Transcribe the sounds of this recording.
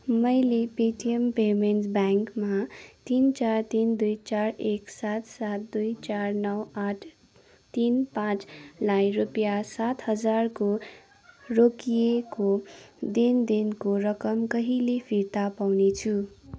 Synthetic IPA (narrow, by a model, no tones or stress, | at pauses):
mʌjlepeʈiempemenʈbaŋkmat̪int͡sart̪ind̪ujt͡saɾeksat̪sat̪̚d̪ujt͡sarnʌwaʈʰ | t̪inpãt͡slajrupjasat̪hʌd͡zarko | rokijekod̪ind̪inkoɾʌkʌmkʌɦilepʰiɾt̪apawnet͡sʰu